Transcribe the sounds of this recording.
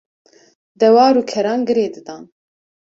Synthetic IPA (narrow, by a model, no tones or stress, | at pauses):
d̪ɛwɑːɾuːkʰɛɾɑːnɡɨɾeːd̪ɨd̪ɑːn